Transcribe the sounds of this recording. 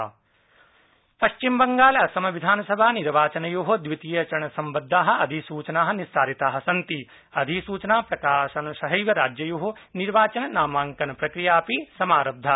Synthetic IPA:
pɐʃt͡ʃimbɐŋɡaːlɐsɐmɐʋid̪ʱaːnɐsɐbʱaːniɾʋaːt͡ʃɐnɐjoːɦɐd̪ʋit̪ijɐt͡ʃɐɾɳɐsɐmbɐd̪ʱːaːɦɐ̆ɐd̪ʱisuːt͡ʃɐnaːɦɐ̆nisaːɾit̪aːɦɐ̆sɐnt̪i | ɐd̪ʱisuːt͡ʃɐnaːpɾɐkaːʃɐnɐʃɐɦɐjʋɐɾaːd͡ʒjɐjoːɦoniɾʋaːt͡ʃɐnɐnaːmaːŋkɐnɐpɾɐkɾijaːpisɐmaːɾɐb̚d̪ʱːa

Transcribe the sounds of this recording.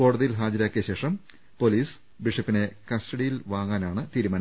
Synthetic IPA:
ko̞ːɽɐðijilɦaːd͡ʑɐɾaːkːijɐɕe̞ːʂɐm | po̞liːs | biʂɐpːine̞kɐstɐɽijilʋaːŋaːnaːɳɨt̪iːɾumaːnɐ

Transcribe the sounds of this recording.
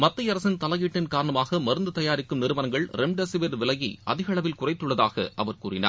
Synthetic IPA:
mɐt̪ːɐjɐɾɐsɪnt̪ɐlɐɣiːʈːɪnkaːɾɐɳɐmaːɣɐmɐɾɯnd̪ɯt̪ɐjaːɾɪkːɯmnɪɾɯʋɐnɐŋɡɐɭɾɛmɖɐsɪʋɐɾʋɪlɐjḭɐ̰ðɪɣɐɭɐʋɪlkʊrɐɪt̪ːɯɭːɐðaːɣɐ̰ʔɐʋɐɾkuːrɪna̰ː

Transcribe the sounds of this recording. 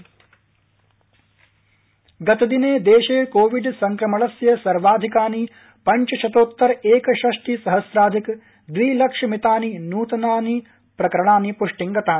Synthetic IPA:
ɡɐt̪ɐd̪ineːd̪eːʃeːkoːʋiɖsɐŋkɾɐmɐɭɐsjɐsɐɾʋaːd̪ʱikaːni | pɐɲt͡ʃɐʃɐt̪oːt̪ːɐɾeːkɐʃɐʂʈisɐɦɐsɾaːd̪ʱik | d̪ʋiːlɐkʂɐmit̪aːninuːt̪ɐnaːni | pɾɐkɐɾɐɳaːnipuʂʈiŋɡɐt̪aːni

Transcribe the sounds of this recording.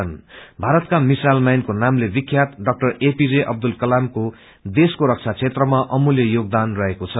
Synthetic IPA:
ʌnbʱaɾʌt̪̚kamisalmajnkonamlebikʰːjat̪ɖʌk̚ʈʌrepid͡zeʔʌ̰b̚d̪ulkʌlamko | d̪eskoɾʌk̚t͡sʰat͡sʰet̪rʌmaʔʌmuljʌjoɡ̚d̪anrʌɦekot͡sʰʌ

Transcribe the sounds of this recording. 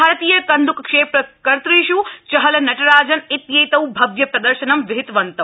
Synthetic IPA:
aːɾɐt̪iːjɐkɐnd̪ukkʂeːpɾɐkɐɾt̪ɾiːʃut͡ʃɐɦɐlɐnɐʈɐɾaːd͡ʒɐnit̪jɐjt̪ɐwbʱɐɡjɐpɾɐd̪ɐɾʃɐnɐmʋɪɦɪt̪ʋɐnt̪ɐ

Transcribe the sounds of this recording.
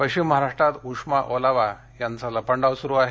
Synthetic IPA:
pəɕimːəɦaɾaʂʈɾat̪uʂmaʔolaʋa | jant͡saləpəɳɖaʋsuɾuaɦe

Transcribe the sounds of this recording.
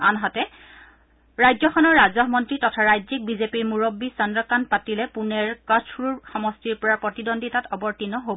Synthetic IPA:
anɦatɛ | ɹajzɔxʰɔnɔɹːazɔɦmɔntɹitɔtʰaɹajzik̚bizepiɹmuɹobːisɔndɔkanpatilɛpunɛɹkat͡ʃʰɹuɹxɔmɔstiɹpɔɹapɹɔtidondʱitatɔbɔɹtinɔɦob

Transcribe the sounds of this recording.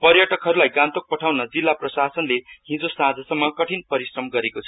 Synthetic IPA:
pʌrjʌʈʌkɦʌɾulajɡãnt̪ok̚pʌʈʰawnʌd͡zilːaprʌsasʌnleɦĩnd͡zosãd͡zʌsʌmːʌkʌʈʰinpʌɾisrʌmɡʌɾekot͡sʰʌ̥

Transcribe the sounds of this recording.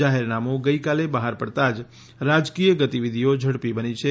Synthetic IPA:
aɦeɾnamoɡəjkalebəɦaɾpəɽt̪ad͡ʒ | ɾad͡ʒkijəɡət̪iʋid̪ʱijod͡ʒʱəɽpibənit͡ʃʰe

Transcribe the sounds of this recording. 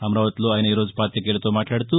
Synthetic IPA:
ɐmɾaːʋɐt̪loɐjnɐiɾoːd͡zpaːt̪jɐk̬eɭt̪omaːʈlaːɽt̪u

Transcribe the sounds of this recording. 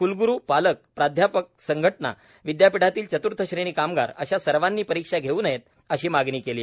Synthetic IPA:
kulɡuɾuːpalək̚pɾad̪ʱjapək̚səŋɡʱəʈna̰ | ʋid̪japiɽ̤at̪iːlt͡ɕət̪uɾt̪ʰəɕɾeɽ̃iːkamɡa̰ɾə̰ɕasəɾʋanːiːpəɾikʂaɡʱeuːnjet̪̚ | əɕiːmaɡniːkeliː

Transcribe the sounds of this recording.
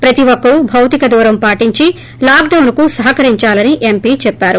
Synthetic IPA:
pɾɐt̪iʋokːɐɾubʱɐwt̪ikɐd̪uːɾɐmpaːʈiɲt͡ʃi | laːkɖɐwnkusɐɦɐkɐɾiɲt͡ʃaːlɐniʔempiːt͡ʃɛpːaːɾu

